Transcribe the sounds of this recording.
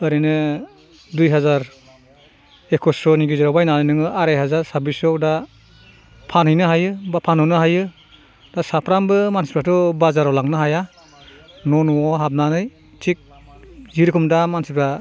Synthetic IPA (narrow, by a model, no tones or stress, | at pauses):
ɯɾinɯ | dujɦazaɾ | ekʰɔsɔniɡiziɾawbajnanɯjnɯŋɯʔaɾajɦazaɾsaɾbisɔda | pʰanhɯjnɯɦajɯbapʰanɔnɯɦajɯ | d̥asapʰɾambɯmansi̥pɾatɔbazaɾalaŋnɯɦaja | nɔnɔɔɦap̚nanɯj | tʰik̚ | ziɾikʰumdamansipɾa